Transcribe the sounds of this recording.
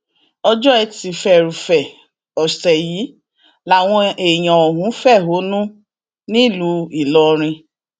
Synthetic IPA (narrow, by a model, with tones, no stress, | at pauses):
ɔ˧d͡ʒɔ˦ɛ˧ti˨fɛ˨ɾu˨fɛ˨ | ɔ˨sɛ˨jiː˨˦ | la˨w̃ɔ̃˧e˨j̃ã˨ɔ˨ɦũ˨˦fɛ˦˨ɦo˨˦nũ˦ | nĩ˦˨lu˧i˨lɔ˧ɾ̃ĩ˧